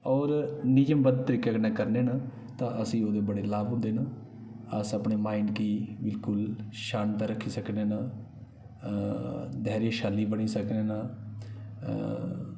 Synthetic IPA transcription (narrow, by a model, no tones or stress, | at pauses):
ɔːɾnɪjəmbəd̪̚t̪əɾiːkeːknãːkəɾneːnaː | t̪ãːʔəsĩːoːd̪eːbəɽeːlaːʋɦʊ̃nd̪eːnaː | əsəpɳeːmaːiɳɖkiːbɪlkʊlʃaːnt̪aːɾəkʰːiːsəkneːnaː | d̪ʱɛːɾjãːʃaːlːiːbəɽ̃iːsəkneːnaː